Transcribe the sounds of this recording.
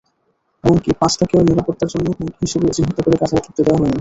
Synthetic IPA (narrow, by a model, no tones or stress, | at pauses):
ɛmonkipãt͡ɕʈʰakeoniɾapot̪ːaɾd͡ʑonːoɦuʈɦiʃubed͡ʑiɦɔt̪okoɾekad͡ʑʰʱaet̪ʰit̪ːod̪eaɦɔn